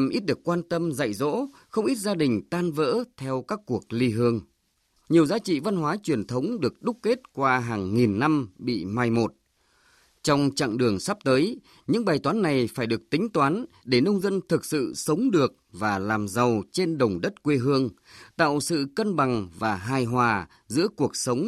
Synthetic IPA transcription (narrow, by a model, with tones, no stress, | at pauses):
mʔi˦˥t̚ɗɨ˨˩əkwaː˧nt̪ə˧mzə̰˧˨jzo̰˧˥ | xə˧wŋ͡mʔi˦˥t̚zaː˧ɗï˨˩ŋ̟t̪aː˧nvə̰ː˧˥t̪ʰɛ˧wkaː˦˥kːu˨˩ək̚li˧ɦɨ˧əŋ | ɲi˨˩əwzaː˨˦t͡ɕḭ˧˨va˧nɦwaː˨˦t͡ɕwi˨˩ənt̪ʰə˨˦wŋ͡mɗɨ˨˩ək̚ɗʊ˦˥k̚ke˦˥t̚kwaː˧ɦaː˨˩ŋːi˨˩nːa˧mɓḭ˧˨ma˧jmo˨˩t̚ | t͡ɕɔ˧wŋ͡mt͡ɕa̰˧˨ŋɗɨ˨˩əŋsa˦˥p̚t̪əː˨˦j | ɲɨ̰˧˥ŋɓaː˨˩jt̪waː˨˦nːa˨˩jfaː˧˩jɗɨ˨˩ək̚t̪ï˨˦ŋ̟t̪waː˨˦nɗe˧˩nə˧wŋ͡mzə˧nt̪ʰɨ˨˩k̚sɨ̰˧˨sə˨˦wŋ͡mɗɨ˨˩ək̚vaː˨˩laː˨˩mza˨˩wt͡ɕe˧nɗə˨˩wŋ͡mɗə˦˥t̚kwe˧ɦɨ˧əŋ | t̪a̰ː˧˨wsɨ̰˧˨kə˧nɓa˨˩ŋvaː˨˩ɦaː˧˩jɦwaː˨˩ | zɨ̰˧˥əku˨˩ək̚sə˨˦wŋ͡m